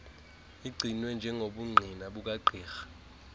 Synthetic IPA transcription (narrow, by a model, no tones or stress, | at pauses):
iɡ͡ǀʱinwɛnd͡ʒʱɛŋʱoɓuŋ͡ǀʱinaɓuk̬ʼaǃʱiːxḁ